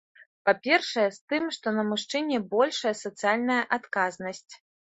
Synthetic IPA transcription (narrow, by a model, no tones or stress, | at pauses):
papʲɛrʂɐjɛst̪ɨmʂt̪ɔnɐmuʂt͡ʂɛnʲɛbɔlʲʂɐjɐsɐt̪sɨjalʲnɐjɐʔat̪kaznɐsʲt͡sʲ